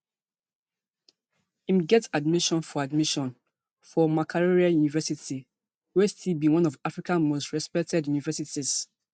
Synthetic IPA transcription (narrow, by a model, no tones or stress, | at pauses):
ĩmɡɛtadmiʃɔ̃nfɔadmiʃɔ̃n | fɔmakʰaɹoɹiajunivɛsiti | westʰibĩwɔ̃nɔvafɹikʰãnmostɹɛspɛk̚tʰɛdjunivɛsitiz̥